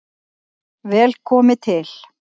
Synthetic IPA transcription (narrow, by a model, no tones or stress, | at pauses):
vɛːlkʰɔːmɪt̪ʰɪl̥